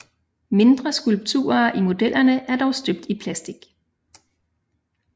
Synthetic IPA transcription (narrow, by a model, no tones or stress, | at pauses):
me̝nd̥ʁɐsɡ̥ulb̥̚t͡sʰṵːɐʔimo̝d̥el̰ɐnəʔæɐd̥ɒʊsd̥øb̥̚d̥ipʰlæsd̥iɡ̥